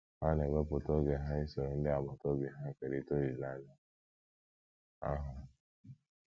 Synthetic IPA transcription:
ha˦ne˨ɡɔ˦pʊ˨tɔ˦ɡe˨ɦa˦i˦so˨ɾo˨n̩˦dɪ˦a˨mɔ˨tɔ˦bi˨ɦa˦˨ke˨ɾi˨to˦ɾi˨la˦na˦ | a̰˦ɦʊ˨

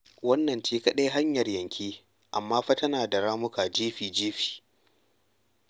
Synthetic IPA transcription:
wɐ˦nːɐ˨ntiː˦kɐ˦ɗe˦jɦa˦ɲjɐ˨rjɐ˨ŋkʲʰiː˦ | ʔa˨mːaː˦ɸɐ˦tɐ˦naː˨da˨ɾaː˦mʊ˦ka˨d͡ʒiː˦ɸiː˨d͡ʒiː˦ɸi̥ː˨

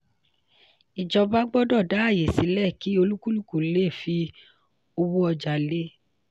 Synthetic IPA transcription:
i˨d͡ʒɔ˧ba˦ɡ͡bɔ˦dɔ˦˨da˨˦a˦˨je˨si˨˦lɛ˦˨ki˨˦o˧lu˦ku˦lu˦˨ku˨˦le˦˨fi˧ | o˧wu˦ɔ˧d͡ʒa˨le˦

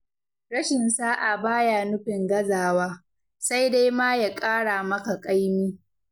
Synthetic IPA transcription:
ɽɐ˦ʃɪ˨nsaː˦ʔa˨baː˦ja˨nʊ˦ɸɪ˨ŋɡɐ˦zaː˨waː˦ | sa˦jda˦jmaː˦ja˨kʼaː˦ɽaː˨mɐ˦ka˨kʼa˦jmiː˦

